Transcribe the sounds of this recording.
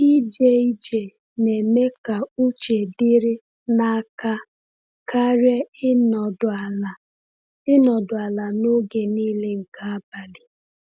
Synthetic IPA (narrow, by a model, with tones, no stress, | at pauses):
i˦d͡ʒe˦i˦d͡ʒe˨ | ne˨me˦ka˨u˦t͡ʃe˨dɪ˦ɾɪ˦ | na˦ka˦ | ka˦ɾe˦n˨da˨l | ɪ˦nɔ˨dʊ˨a˨la˨no˦ɡe˨niː˦le˦ŋ̩˨ka˦a˦ba˨dɪ˨